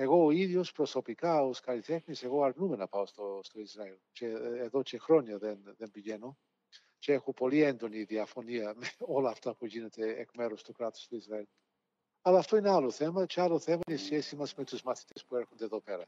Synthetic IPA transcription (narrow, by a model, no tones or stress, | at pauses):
eɣoiðiospɾosopikaoskaɾit̪ɛxniseɣoaɾnumɛnapaost̪ost̪oizɾaɛlt͡ʃeːðot͡ʃexɾonjaðenðenbiʝɛno | t͡ʃeɛxupoliɛnd̪oniðiafoniameolaft̪apuʝinɛt̪ḛːkmɛɾust̪ukɾat̪o̥st̪oizɾaɛl | alaft̪oinaloθɛmat͡ʃaloθɛmanisɛsimasmet̪uzmaθi̥t̪ɛspuɛɾxund̪eðopɛɾɐ